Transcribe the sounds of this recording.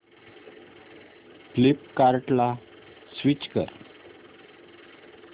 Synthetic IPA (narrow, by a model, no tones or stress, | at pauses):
flipkaɾʈla | sʋit͡ɕkə̰ɾ